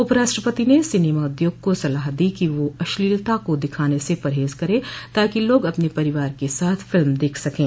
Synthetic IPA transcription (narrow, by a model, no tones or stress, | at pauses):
ʊpəɾaːʃʈɾəpət̪inesɪneːmaʊd̪joːɡ̚kosɐlaːɦd̪ikiʋoɐʃliːlt̪akod̪ɪkʰaːnesepɐɾɦeːzkɐɾẽːt̪aːkiloːɡɐpnepɐɾɪʋaːɾkesaːt̪ʰfɪlmd̪eːkʰsɐkẽː